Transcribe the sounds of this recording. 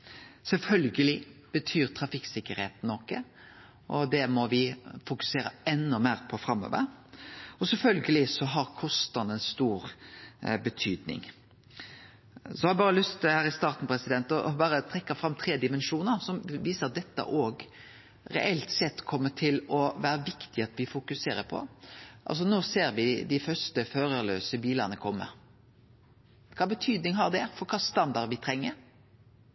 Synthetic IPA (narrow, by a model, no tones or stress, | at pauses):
sɛlfœlɡəlɪb̥ət̪ʰyːɾt̪ʰɾɑfɪksɪkːəɾheːt̪n̩ːɔkːə | ʔɔd̪ɛmɔʋɪfʊkʉ̥seːɾəɛnːʊmeːɾpʰɔfɾɑmø̰ːʋə̰ɾ | ɔsɛlfœlɡəlɪsɔɦɑɾkʰɔst̪ɑnənst̪uːɾ | bət̪ʰyːd̪nɪ̰ŋ | sɔhɑɾɛbɑːɾəlʉst̪hæːɾɪst̪ɑːɾʁt̪n̩pʰɾɛsɪd̪ɛnt̪ɔbɑːɾət̪ʰʁɛkːɑfɾɑmːt̪ʰɾeːd̪ɪmɛnʃuːnəɾsɔmʋiːsəɾd̪ɛt̪ːə̰ʔoːɡ | ɾɛ̰ʔɛlt̪sɛt̪ːkʰɔmːət̪ʰɪlɔʋæːɾəʋɪkt̪ɪɑt̪ʋɪfʊkʉseːɾəpʰɔ̰ʔɑ̰lsɔnoːseːɾʋɪd̪ɪfœɾst̪əføːɾəlø̰ːsəbiːlɑnəkʰɔmːə̰ | kʰɑːbət̪ʰyːd̪nɪŋɦɑʁd̪ɛfɔɾkʰɑːst̪ɑnd̪ɑɾʋɪt̪ʰɾɛŋːəɾ